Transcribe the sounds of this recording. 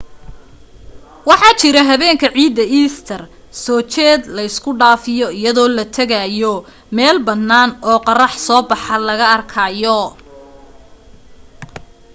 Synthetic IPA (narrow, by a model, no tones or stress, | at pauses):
wɑħɑːt͡ʃɪɾɐɦɐβɛːŋkʰɐʕiːd̪ːɐʔiːst̪ʰɐr | sɔːt͡ʃɛːd̪lɐɪskʰʊɖaːfɪjɔɪjɐðɔːlɐt̪ʰɐɣajɔ | mɛːlbɐnːaːnɔːqɑrɑħsɔːbɑħɑlɐɣɐɐrkʰaːjɔ